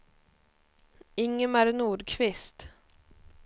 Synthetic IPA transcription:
ɪŋːəmæɾnuːɖkʰvɪst̪

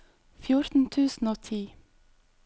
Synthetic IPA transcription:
fjʊɾt̪n̩t̪ʰʉːsn̩oːt̪ʰiː

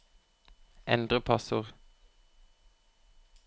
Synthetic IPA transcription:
ʔɛ̰nd̪ʁəpʰɑsəʁ

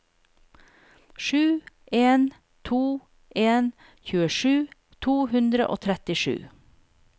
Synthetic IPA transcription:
ʃʉː | ʔeːn | t̪ʰuː | ʔeːn | çʉːəʃʉː | t̪ʰuːhʉnd̪ɾə̰ʔo̰ːt̪ʰɾɛt̪ɪʃʉ̰ː

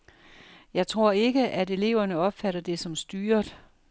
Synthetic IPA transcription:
jɑ̈ɪt͡sʰʁo̝ɐ̰e̝ɡ̥əʔæde̝le̝ʊ̰ɐnəɒ̽b̥fæɾɐd̥e̝sɒ̽msd̥yːɐd̥

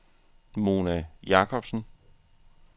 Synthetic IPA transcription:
mo̝ːnæjɑ̈kʰɒ̽b̥sn̩

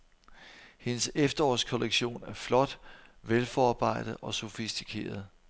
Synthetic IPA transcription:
he̝nəsefd̥ɐɒ̰ːskʰoleɡ̥ɕo̝̰ːnæɐflɒ̽d̥ʋelfɒɑ̈ːb̥ɑ̈ɪ̰d̥ð̩ˠɒ̽so̝fisd̥ikʰe̝̰ːɐð̞̩ˠ

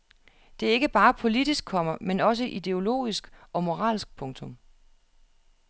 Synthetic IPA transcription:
d̥e̝æɐe̝ɡ̥əb̥ɑ̈ːpʰo̝lid̥isɡ̥̚ʰɒ̽m̰ɐmenɒ̽s̬əʔid̥e̝o̝lo̝̰ːisɡ̥ɒ̽mo̝ʁɑ̰̈ːlsɡ̥̚pʰɔ̽ŋt͡sʰo̽m

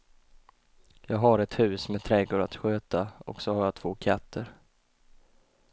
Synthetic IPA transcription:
jɑːɡɦaɾɛt̪hʉ̟ːsmɛt̪ʰɾɛɡoːɾat̪ɧøːt̪aɔ̰ksɔhaɾjɑːt̪ʰv̥oːkʰat̪ʰːəɾ

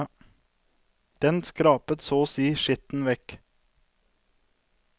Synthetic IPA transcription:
d̪̥ɛnskɾɑːpət̪soːsiːʃɪt̪n̩ʋɛk

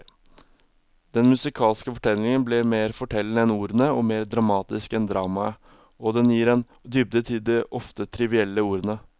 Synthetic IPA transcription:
d̪̥ɛnmʉsɪkʰɑːlskəfɔʈʰɛlːɪŋənblɛmeːɾfɔʈʰɛlnəɛnuːɾənəɔmeːɾd̪ɾɑmɑːt̪ɪskɛnd̪ɾɑːmɑə | ɔd̪ɛnjiːɾɛn | d̪ʏb̚d̪ət̪ʰɪld̪ɛʔɔft̪ət̪ʰɾɪʋɪɛlːəuːɾənə

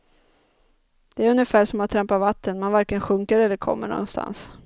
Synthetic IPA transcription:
d̪̥ɛæːɾɵnjəfæːʂɔmːant̪ʰɾɛmpaɾvat̪ːənmanvaɾkəənɧɵŋkəɾɛlːəɾkʰɔ̰mːə̰ɳɔ̰nst̪a̰ns

